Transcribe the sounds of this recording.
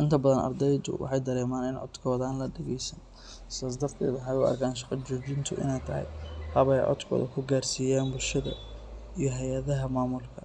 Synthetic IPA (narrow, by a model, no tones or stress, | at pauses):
ʔɪnt̪ʰɐbɐðɐnɐ̰rd̪ɛjd̪ʊ̰wʔɑ̰ħɑjd̪ɐɾɛːmaːnɪnʕɔ̰d̪̥kʰɔːðaːnlɐɖɛɣɛjsɐn | sɪsaːs̬d̪ɐrt̪ʰɛ̰ːd̪wɑħɑjʊɐ̰rkʰaːnʃɑqɐt͡ʃɔːt͡ʃɪnt̪ʰʊʔɪ̰nɛjt̪ʰɐɦɛ̰jhɐβɛjʕɔ̰d̪kʰɔ̰ːðɐkʰʊɡaːrsiːjaːnbʊlʃɐðɐ̰ | ijɞɦɛjɐðɐɦɐmaːmʊlkʰɐ